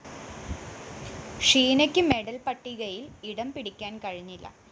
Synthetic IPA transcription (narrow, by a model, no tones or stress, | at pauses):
ʂiːnɐkʲːɨme̞ɽɐlpɐʈːiɣɐjiliɽɐmpiɽikʲːaːnkɐɻiɲːilːɐ̰